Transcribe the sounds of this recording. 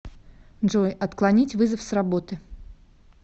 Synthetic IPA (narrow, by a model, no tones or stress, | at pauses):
ʐojɐt̪klˠɐnʲitʲvɨzəfsrɐbo̞t̪ɨ